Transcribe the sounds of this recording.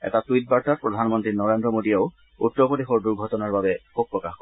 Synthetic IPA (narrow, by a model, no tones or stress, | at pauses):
ɛ̰tatuit̚baɹtapɹɔd̪ʱanmɔntɹinɔɹendɹɔmodijaʊ | utːɾɔpodexɔɹduɹɡʱɔtɔnaɹbabɛxub̚pːɹɔkaxkɔ